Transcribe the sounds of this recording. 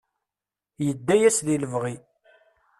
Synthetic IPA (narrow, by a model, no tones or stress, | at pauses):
jəd̪ːæjæsðiləvʁi